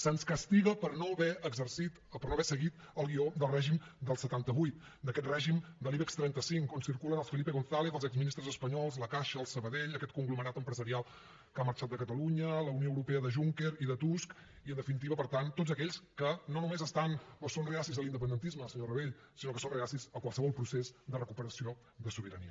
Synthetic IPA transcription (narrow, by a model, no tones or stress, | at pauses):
sənskəst̪iɣəpəɾnoβɛəɡzəɾsit̪pəɾnoβɛsəɣit̪ | əlˠɣiod̪əlˠrɛʒimd̪əlˠsət̪ant̪əβujt̪̚ | d̪əkɛt̪rɛʒimd̪əliβɛkst̪ɾɛnt̪əsiŋkonsiɾkuləðəlˠsfəlipeɣonθaleðəlˠzɛɡzminist̪ɾəzəspəɲɔlˠzləkaʃəːlˠsəβəðeʎəkɛt̪̚kuŋɡluməɾat̪əmpɾəzəɾialˠ | kaməɾt͡ʃat̪d̪əkət̪əluɲələunioəwɾupeəðəʒuŋkeɾiðət̪usk | iənd̪əfinit̪̬iβəpəɾt̪ant̪ːotzəkɛʎskənonumezəst̪anosonreasizðəlind̪əp̬ənd̪ənt̪izməsəɲorəβeʎ | sinokəsonreasizəkwalˠsəβɔlˠpɾusezd̪ərəkupəɾəsio | d̪əsuβiɾəniə